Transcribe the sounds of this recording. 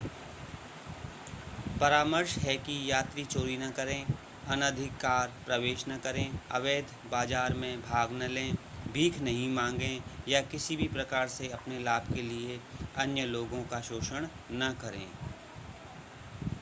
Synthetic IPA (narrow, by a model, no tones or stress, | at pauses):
pɐɾaːməɾʃɦɛkijaːt̪ɾit͡ʃoːɾinɐkɐɾẽ | ɐnəd̪ʱɪkːaːɾpɾɐʋeːʃnɐkɐɾẽɐ̰ʋeːd̪ʱbaːd͡ʒaːɾmẽbʱaːɡnɐlẽːbʱiːkʰnɐɦĩmãːŋ̆ɡẽjakɪsibʱipɾɐkaːɾseɐpnelaːbʱkelieɐnjəloːɡõkaʃoːʃəɽ̃ | nɐkɐɾḛ̃ː